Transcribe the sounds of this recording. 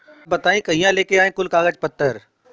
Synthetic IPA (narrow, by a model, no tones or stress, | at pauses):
bɐt̪aːĩkɐɦijãleːkeaːẽːkʊlkaːɡəd͡ʒpət̪ːəɾ